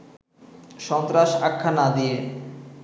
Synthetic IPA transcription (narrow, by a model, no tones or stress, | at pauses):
ʃɔnt̪ɾaʃakʰːanad̪ie